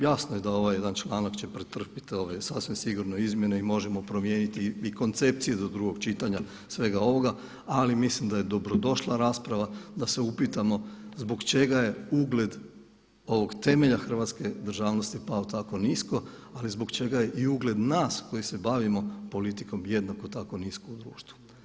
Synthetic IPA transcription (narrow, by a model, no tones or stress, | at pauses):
jasnojed̪ao̞ʋaje̞d̪ant͡ʃlˠaːnakt͡ɕe̞pɾet̪r̩pi̥t̪io̞ʋesasʋimsiɡuɾno̞izmje̞neimo̞ʒe̞mo̞pɾo̞mje̞ːnit̪iiko̞nt̪se̞p̚t̪sije̞d̪od̪ɾuɡo̞ɡt͡ʃit̪aɲa | sʋe̞ɡao̞ʋo̞ɡa | alimislimd̪aje̞d̪o̞bɾo̞d̪o̞ʃlˠaɾaːspɾaʋad̪ase̞upit̪amo̞zbo̞ɡt͡ʃe̞ɡaje̞uɡled̪ | o̞ʋo̞ɡt̪e̞me̞ʎaxr̩ʋat̪ske̞d̪r̩ʒaːʋnost̪ipaot̪ako̞nisko̞alizbo̞kt͡ʃe̞ɡaje̞ʔiuɡle̞d̪naːsko̞jise̞baʋimo̞po̞lit̪iko̞mje̞d̪nako̞t̪ako̞niskoud̪ɾuːʃt̪ʋu̥